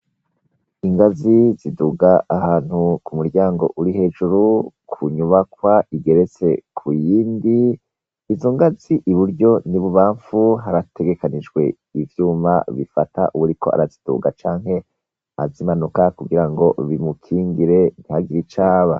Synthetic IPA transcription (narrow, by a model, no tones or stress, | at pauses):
iŋɡaziziduɡaʔːhaːn̥hukumuɾɟaːŋɡo̞̰ʔuɾiɦe̞d͡ʒuɾukʰuɲuβakwaiɡe̞ɾe̞t͡se̞kʰujiːndiː | zo̞ŋɡaziʔiβuɾɟo̞niβuβaːɱfuɦaɾatʰe̞ɡe̞kanid͡ʒɡwe̞ | ivjuːma̰βifata̰ʔuβuɾikʰo̞a̰ɾazid̥ṵɡat͡ʃaːŋɦe̞ | a̰zimanukakuɡiɾaŋɡo̞βimukʰiːŋɡiɾe̞n̥ihaɡiɾit͡ʃaːβa̰